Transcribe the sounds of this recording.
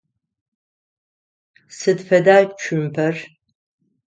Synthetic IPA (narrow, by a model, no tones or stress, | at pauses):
sɨdfɐdaːt͡ʃʰympʰɐr